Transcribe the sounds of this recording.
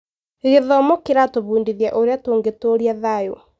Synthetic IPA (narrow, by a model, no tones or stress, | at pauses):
ɣeðɔmɔkeɾatoβuːndiðjaʔoɾeatoːŋɡetoɾiaðajo̰